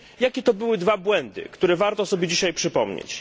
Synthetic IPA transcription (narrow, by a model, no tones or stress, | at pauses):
jakʲɛt̪ɔbɘwɘd̪vabwɛnd̪ɘ̰kt̪uɾɛvaɾt̪ɔsɔbʲjed͡ʑiɕajpʂɘpɔmɲḛt͡ɕ